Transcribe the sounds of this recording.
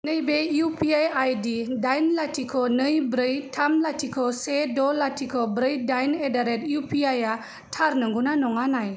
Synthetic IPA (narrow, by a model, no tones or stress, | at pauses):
nəjbejupiajajdidajnlatʰikʰɔnəjbɾəjtʰamlatʰikʰɔsedɔlatʰikʰɔbɾəjdajnedaɾɛtjupʰiaja | tʰaɾnəŋɡunanɔŋanaj